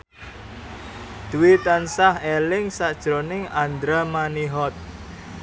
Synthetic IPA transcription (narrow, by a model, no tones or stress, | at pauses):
d̪̥uwit̪ansahelɪŋsad̥ʒ̥ɾonɪŋand̪ɾamaniɦɔt̪̚